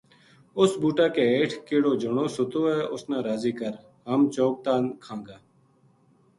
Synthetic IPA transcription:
ʊsbuːʈaːkeːeːʈʰkeːɽoːd͡ʒəɳõːsʊt̪oːɛːʔʊsnãːɾaːziːkəɾ | ɦəmt͡ʃoːk̚t̪aːnkʰãːŋɡaː

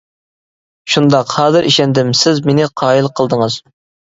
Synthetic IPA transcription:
ʃund̪ɑqhɑːzɨɾʔḭʃɛnd̪ɪmsɪzmenɪqʰɑːilˠqʰəlˠd̪əŋɨz̥

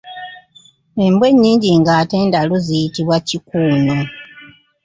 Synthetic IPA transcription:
embwe̞ɲːiːɲɟiŋɡaːteːndaluzijitiβwacikuːno̞

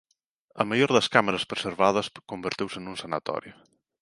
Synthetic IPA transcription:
ɐ̰majoɾðɐskaməɾɐspɾeseɾβað̞ɐskombeɾt̪iwsənunsanɐt̪ɔ̰ɾju

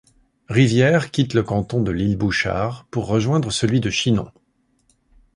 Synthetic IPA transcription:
ʁivjɛʁkʲit̪ləkɑ̃t̪ɔ̃d̪əlilbuʃa̰ːʁpuʁːəʒwɛ̃d̪ʁəsəlɥid̪əʃinɔ̰̃

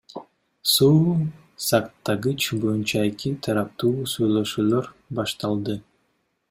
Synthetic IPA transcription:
suː | sɑkt̪ːɑɡɯt͡ʃbo̞junt͡ʃɑe̞kit̪ʰɑɾɑp̚t̪uːsujlˠoʃuːlˠoɾbɑʃt̪ɑlˠd̪ɯ

